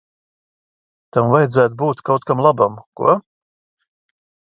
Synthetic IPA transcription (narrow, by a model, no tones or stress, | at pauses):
t̪amvajd̪zæːt̪buːt̪kawt̪kamlˠabamkṵɔ